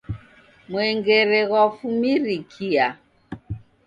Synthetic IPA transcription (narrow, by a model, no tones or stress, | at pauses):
mwɛŋɡɛɾɛɣwafumiɾikʰia